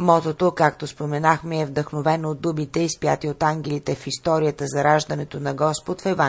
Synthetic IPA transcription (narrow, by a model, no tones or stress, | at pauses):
mɔt̪ot̪okak̚t̪ospomɛnaxmɛːvd̪əxnovɛnoːd̪ubit̪ɛispjat̪iot̪aŋɡʲɛlit̪ɛfist̪ɔɾijət̪əzɐɾaʒd̪ɐnɛt̪onɐɡɔspot̪fɛva